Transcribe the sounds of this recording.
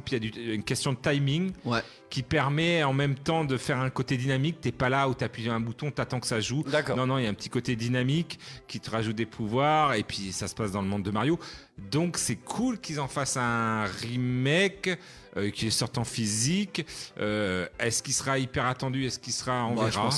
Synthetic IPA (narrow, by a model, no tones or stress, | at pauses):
ijad̪yynkʲɛst̪jɔ̃d̪ət̪ajmiŋw | kʲipɛʁmɛɑ̃mɛmt̪ɑ̃d̪əfɛʁɛ̃kot̪ed̪inamik̚t̪yɛpalaut̪yapiɛ̃but̪ɔ̃t̪at̪ɑ̃kə̥saʒud̪aknɔ̃nɔ̃iljaɛ̃pət̪ʰi̥kot̪ed̪inamikːʲit̪əʁaʒut̪̚d̪epʰuvwaʁepɥisasə̥pasd̪ɑ̃ləmɔ̃d̪ːəmaʁjo | d̪ɔ̃ksɛkʰulkʲizɑ̃fasɛ̃ɛʁimɛk | økʲisɔʁt̪ɑ̃fizikøɛskisəʁaipɛʁat̪ɑ̃d̪yɛskilsəʁaɑ̃vɛʁa